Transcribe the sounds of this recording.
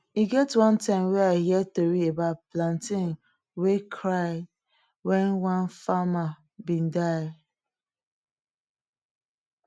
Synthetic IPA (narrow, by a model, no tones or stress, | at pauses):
iɡɛtwãntãɪ̃mweahiɛtoɾiebaplãntĩn | wekʰɾaɪ | wɛ̃nwãnfama | bĩndaɪ